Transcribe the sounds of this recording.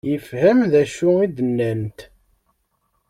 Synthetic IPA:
jəfhæmðæʃʊid̪ənːænt̪

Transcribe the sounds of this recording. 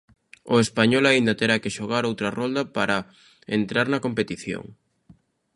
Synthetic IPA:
ʊ̰espaɲɔlaind̪ɐt̪eɾakeʃoɣaɾowt̪ɾɐrɔnd̪ɐpaɾɐ | ent̪ɾaɾnɐkompet̪iθjo̰ŋ

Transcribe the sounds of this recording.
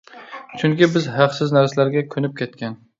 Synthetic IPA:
t͡ʃʰʊŋkʲɪbɪzhɑqsɪznæɾsalæɾɡʲakʲʰɵnɪp̚kʲʰet̪̚kʲʰan

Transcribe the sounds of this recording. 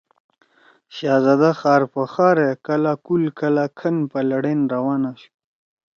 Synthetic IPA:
ʃɑːzɑd̪axɑːɾpəxɑɾekəlakulkʰəlakʰənpəlaɽenɾawɑnaʃu̥

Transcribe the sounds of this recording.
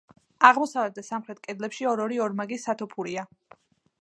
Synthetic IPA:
aʁmɔsavlɛt̪̚d̪asamχɾɛt̪̚ʰkʼɛd̪lɛpʃiɔɾɔɾiɔɾmaɡisat̪ʰɔpʰuɾia

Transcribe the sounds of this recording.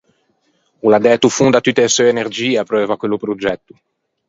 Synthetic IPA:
ulad̪ɛːt̪ufund̪at̪ːut̪ːeesuenerd͡ʒiːeapɾɛɛːvakwelːupɾod͡ʒɛt̪ːu

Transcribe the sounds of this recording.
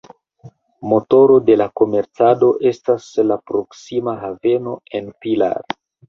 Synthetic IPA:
mo̞to̞ɾo̞de̞lako̞me̞ɾt͡sado̞ʔe̞staslapɾo̞ksimaɦave̞no̞e̞npila̰ɾ

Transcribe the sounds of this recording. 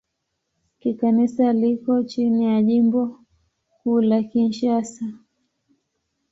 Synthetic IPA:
kikanisalikɔt͡ʃinijaʄimbɔ | kuːlakinʃasa

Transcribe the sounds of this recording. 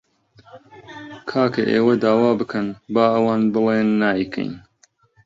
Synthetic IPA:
kʰaːkʰɐʔḛːwɐd̪aːwaːbɨkʰɐnbaːɐwaːnbɨleːnːaːikʰɐ̰jn

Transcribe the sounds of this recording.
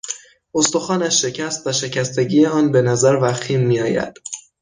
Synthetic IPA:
o̞st̪o̞xɒːnæʃːe̞cʰæst̪væʃe̞cʰæst̪e̞ɟiːjeɒːnbe̞næzæɾvæxt̪ʰiːmːiːɒːjæ̰d̪̥

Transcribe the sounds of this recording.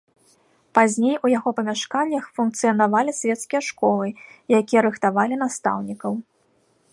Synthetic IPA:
pazʲnʲejujaɣɔpɐmʲaʂkanʲːɐxfunk̚t̪sɨjɐnavalʲisʲvʲɛt̪skʲijɐʂkɔlˠɨjakʲijɐɾɨxt̪avalʲin̪ast̪a̰wnʲikɐw

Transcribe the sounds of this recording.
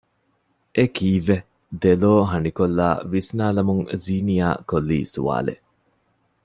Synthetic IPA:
ʔekiːʋe | d̪eloːɦɐnikolːa̰ːʋisnaːlɐmuŋziːnija̰ːkolːḭːsṵʋa̰ːlḛ

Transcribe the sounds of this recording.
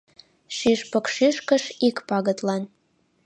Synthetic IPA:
ʃiʃpɤ̆kʃiʃkə̆ʃikpɑɣə̆t̪lɑn

